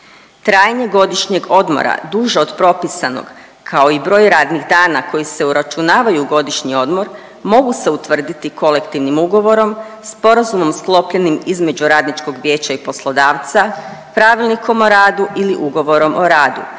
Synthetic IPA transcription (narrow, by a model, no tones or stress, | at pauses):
t̪ɾaːjɲe̞ɡo̞d̪iʃɲe̞ɡo̞d̪mo̰ɾa̰d̪uʒeod̪pɾo̞pisano̰ɡ | kʰao̞ibɾo̞ːjɾaːd̪niɣd̪aːnako̞jise̞uɾat͡ʃunaːʋajuːɡo̞d̪iʃɲio̞d̪mo̞ɾ | mo̞ɡuse̞ut̪ʋr̩d̪it̪ikʰo̞le̞kt̪iʋnimuɡo̞ʋo̞ɾo̞mspo̞ɾazumo̞msklˠo̞pʎenimizme̞d͡ʑuɾaːd̪nit͡ʃko̞ɡʋʲje̞ːt͡ɕaipo̞slˠo̞d̪aːʋt̪sa | pɾaʋilˠnikʰo̞mo̞ɾaːd̪uʔiliʔuɡo̞ʋo̞ɾo̞mʔo̞ɾaːd̪ṵ